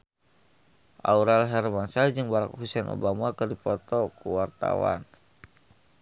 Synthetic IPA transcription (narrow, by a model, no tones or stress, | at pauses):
ʔa̰uɾalɦɛrmansad͡ʒɨŋbaɾak̚husɛnʔo̰bamakɨrdipɔt̪ɔkuwart̪a̰wa̰n